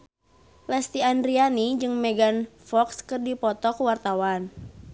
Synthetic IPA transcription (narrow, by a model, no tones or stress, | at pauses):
lɛst̪ianrianid͡ʒɨŋmɛɡanfɔkskɨrdipɔt̪ɔkuwart̪awan